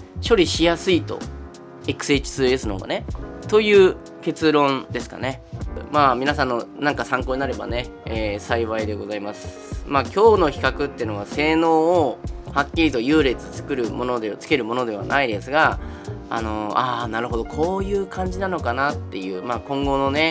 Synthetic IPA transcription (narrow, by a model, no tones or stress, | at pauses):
ɕo̞ɾʲiɕijasɨit̪o̞̰ | ekɯ̟̥se̞t͡ɕi̥sɨesɨno̞̰ɡa̰ne̞t̪o̞jɯ̟ː | ke̞t͡sɨɾõ̞nd̪e̞sɨ̥ka̰ne̞maːmʲinasãnːo̞nãŋkasãŋkoːɲnaɾe̞ba̰ne̞eːsaiβaid̪e̞ɡo̞zaimasɨ̥ | maːkʲo̞ːno̞çʲi̥kakɯ̟t̪ːe̞ɯ̟noβase̞ːno̞ːohakʲːiɾʲit̪o̞jɯ̟ːɾe̞t͡sɨt͡sɨ̥kɯ̟ɾɯ̟mo̞no̞d̪et͡sɨ̥ke̞ɾɯ̟mo̞no̞d̪e̞β̞a̰nʔaid̪e̞sɨɡa | a̰no̞aːnaɾɯ̟ɦo̞d̪o̞kʰo̞ːjɯ̟ːkʰãɲ̟d͡ʑinano̞kanat̪ːe̞jɯ̟ːmaːkõ̞ŋɡo̞no̞ne̞